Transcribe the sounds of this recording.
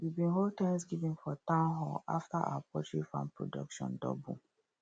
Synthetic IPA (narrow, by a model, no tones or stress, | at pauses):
wibĩnɦol̚tɛ̃ŋsɡivĩnfɔtãʊ̃nɦɔla̰ftaʔa̰wapɹɔt͡ʃɹifã̰npɹo̰dɔ̰kʃɔ̰̃ndɔ̰bṵ